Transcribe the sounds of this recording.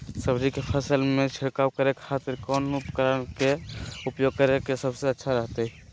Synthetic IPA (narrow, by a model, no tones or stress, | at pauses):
səbd͡ʒikepʰəsəlmẽt͡ʃʰəɾkaːukəɾekʰaːt̪ɪɾkɔːnupkəɾənkeʊpjoːɡ̚kəɾekesəbseətːʃʰaɾəɦt̪eɦɛ